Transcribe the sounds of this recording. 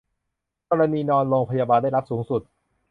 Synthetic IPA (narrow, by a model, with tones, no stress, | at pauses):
kɔː˧ɾa˧niː˧nɔː˧nloː˧ŋpʰa˧jaː˧baː˧nda˥˩jɾa˦˥p̚suː˩˦ŋsu˨˩t̪̚